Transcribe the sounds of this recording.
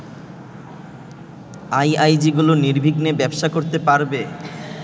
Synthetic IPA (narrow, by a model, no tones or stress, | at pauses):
ajajd͡ʑiɡuloniɾbʱiɡnebɛbʃakoɾt̪epaɾbe